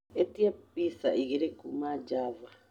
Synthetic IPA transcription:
etiap̚isa̰ʔiɣiɾekumad͡ʒava

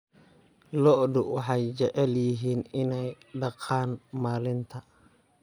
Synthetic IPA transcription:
lɔʔdʊwɑħɑjt͡ʃɛʕɛljɪɦiːnɪnɛjɖɑqʰɑːnmaːlɪnt̪ʰɐ

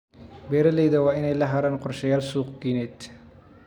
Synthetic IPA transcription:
bɛːɾɐlɛjd̪ɐwaːɪnɛjlɐɦɐɾanqʊɾʃɐjaːlsuːqɡiːnɛt̪

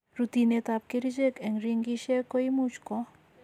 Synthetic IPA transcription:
ɾut̪inet̪ap̚keɾid͡ʒekɛŋɾiŋɡiʃekojmut͡ʃkɔ

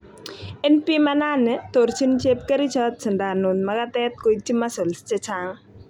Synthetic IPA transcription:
enpimɐnaːnɛt̪oɾt͡ʃʰint͡ʃep̚kɐɾit͡ʃʰɔt̪̚sʰɨnɖaːnot̪mɐɡat̪eːt̪̚kojt͡ʃʰimɐsolst͡ʃet͡ʃʰaŋ

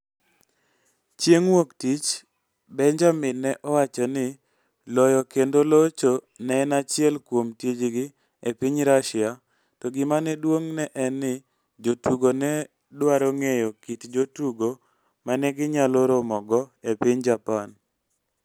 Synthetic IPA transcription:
t͡ʃjeŋwoktit͡ʃ | bɛɲd͡ʒamɪnːɛʔɔwat͡ʃanɪ | lɔjɔkendolot͡ʃo | nɛːnat͡ʃɪɛlkwomted͡ʒɡɪ | epɪɲɾaʃɪa | tɔɡɪmanɛdwoŋnɛʔɛnɪ | d͡ʒotuɡonɛ | dwaɾoŋejokitd͡ʒotuɡo | manɛɡɪɲaloɾomɔɡɔepɪɲd͡ʒapan

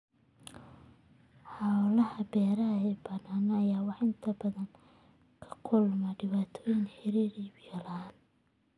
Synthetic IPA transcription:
ħɑːwlɐhɐbɛːɾɐɐɛːbɐnaːnɐɐjaːwɑħɪnt̪ʰɐbɐðɐŋ | kʰɐ̥kʰʊlmɐɖɪβaːt̪ʰɔːjɪnħɛɾiːɾibɪjɐlɐɦaːn

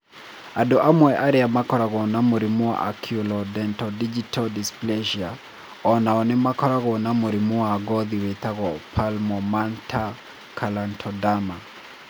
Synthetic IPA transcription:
adɔʔamwɛʔaɾɪamakɔɾaɣɔnamoɾimʊa̰ʔakʰjulɔdɛntɔdid͡ʒitʰɔldisplɛʃia | ɔnaɔnɪmakɔɾaɣɔnamoɾimuaɡɔðiwet̪aɣɔpʰalmɔmantʰa | kʰalantʰɔdama

